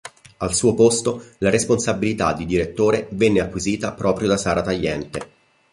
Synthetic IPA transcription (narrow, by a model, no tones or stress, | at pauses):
alsuːopost̪olaɾesponsabilit̪ad̪ːid̪iɾet̪ːoːɾevɛnːeakwiziːt̪apɾɔːpɾjod̪asaːɾat̪ajːɛnt̪e